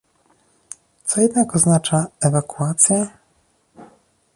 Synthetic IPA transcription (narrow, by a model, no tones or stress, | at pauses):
t̪sɔjɛd̪nakɔznat͡ʂaɛvakuat̪sʲjɛ